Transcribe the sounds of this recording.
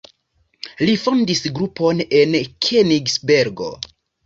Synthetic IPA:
lifondisɡɾupo̞ne̞nkʰeniɡsbe̞ɾɡo̞̰

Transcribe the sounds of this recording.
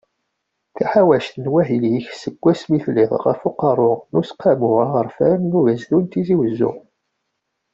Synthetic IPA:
θæħawæʃt̪ənwæɦiljiçsəɡʷːæsmiθliðˤʁə̰fuqɑɾˤʊnʊsqʰːæmʊʁaʁəɾfæɾnuvæzdunt̪iziwəzːʊ̰

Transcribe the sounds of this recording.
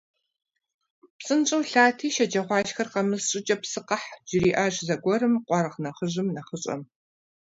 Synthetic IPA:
psʼɨnt͡ʃʼɐwɬaːtʰiːʃɐd͡ʒɐʁʷɑːʃxɐrqɐmɨsɕʼɪt͡ʃʼɐpsɨqɐħʒ̥ɪɾiːʔaːʒzɐɡʷɔɾɨmqʷʼɑɾɨʁnɐχəʒɨmnɐχəɕʼɐ̰m

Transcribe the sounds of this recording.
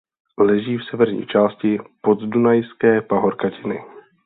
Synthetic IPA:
lɛʒiːfsɛvɛɾɲḭːt͡ʃaːscɪpot̪dunajskɛːpaɦoɾkacɪnɪ̰

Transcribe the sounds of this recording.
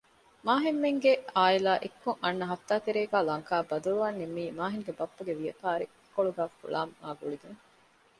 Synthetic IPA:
maːɦimːeŋɡeaːilaːʔekːuŋʔɐnːɐɦɐft̪ːaːt̪eɾeːɡæːlɐŋkaːbɐd̪uluʋaːnːemːiːmaːɦiŋɡebɐpːɐɡeʋijɐpaːɾi | kːoɭuɡaːfṵɭaːmːaːɡuɭid̪uŋ

